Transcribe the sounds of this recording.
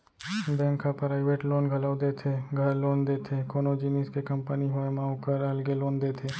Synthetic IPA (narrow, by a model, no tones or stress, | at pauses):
bɛ̃ːŋkapɾɾaːɪʋeːʈloːnɡʱɐləd̪et̪ʰeɡʱɐɾloːnd̪eːt̪ʰekoːnod͡ʒiːniːskekɐ̃mpəniɦoemaːokəɾɐlɡeloːnd̪eːt̪ʰeː